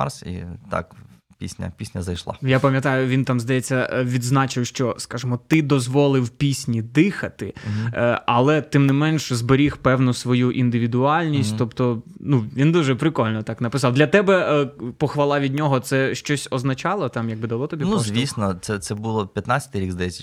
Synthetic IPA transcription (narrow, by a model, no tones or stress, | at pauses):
ɑ̰rsḭt̪ɑ̰k | pʲḭsʲnʲɐ̰pʲisʲnʲɐ̰zɐjʃlˠɑ̰japɐmʲjɐt̪ɑjʊʋʲint̪ɑmzd̪ɐjɛt͡sʲːɐʋʲid̪znɑt͡ʃɪwʃt͡ʃɔskɑʒɪmɔt̪ɪd̪ɔzʋɔlˠɪwpʲisʲnʲid̪ɪxɐt̪ɪ | ɐlˠɛt̪ɪmnɪmɛnʃzbeɾʲixpɛwnʊsʋɔjuʔind̪ɪʋʲid̪ʊɑlʲnʲisʲtʲt̪ɔpt̪ɔnuʋʲind̪uʒɛpɾɪkɔlʲnɔt̪ɑknɐpɪsɑwdlʲɐt̪ɛbɛpɔxʋɐlˠɑʋʲid̪ʲnʲɔɦɔt̪sɛʃt͡ʃɔsʲɔznɐt͡ʃɑlˠɔt̪ɑmjɐɡ̚bɨd̪ɐlˠɔt̪ɔbʲinuzʲʋʲisʲnɔt̪sɛt̪sɛbulˠɔpʲjɐt̪nat͡sʲɐt̪ɪɾiɡzd̪ɐjɛt͡sʲːɐ